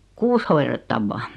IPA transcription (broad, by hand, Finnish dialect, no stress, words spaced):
kuːs hoiretːɑʋːɑː